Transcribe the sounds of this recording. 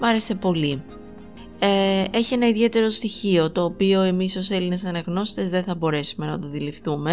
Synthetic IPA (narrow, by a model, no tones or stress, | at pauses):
mɐɾe̞se̞po̞li | ee̞çie̞nɐiðie̞t̪e̞ɾo̞st̪içio̞t̪o̞ːpio̞e̞miso̞se̞linesɐnɐɣno̞si̥t̪e̞zðe̞θɐbo̞ɾe̞sume̞nɐt̪oðilifθume̞